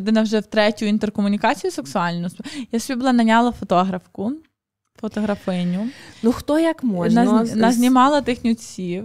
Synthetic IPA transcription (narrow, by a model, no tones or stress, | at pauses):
d̪ɪnɐwʒɛwt̪ɾɛtʲʊint̪erkɔmʊnʲikɑt͡sʲijʊseksʊɑlʲnʊsjasbʲibʊlˠɑnɐnʲalˠɐfɔt̪ɔɦɾɐwkʊ | fɔt̪ɔɦɾɐfɪnʲʊnuxt̪ɔjɐkmɔnaznɐzʲnʲimɑlˠɐt̪ɪxnʲʊt͡sʲiw